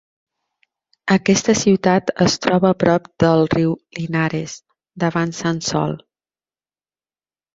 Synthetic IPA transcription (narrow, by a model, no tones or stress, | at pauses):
əkɛst̪əsiwt̪at̪əst̪ɾɔβəːpɾɔpd̪əlˠriwlinaɾes | d̪əβansansɔ̰lˠ